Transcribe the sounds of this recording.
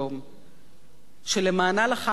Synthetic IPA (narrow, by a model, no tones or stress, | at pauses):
om | ʃelemaːnalaχa